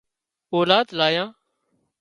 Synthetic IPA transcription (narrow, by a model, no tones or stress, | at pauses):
oːlaːd̪laːjãː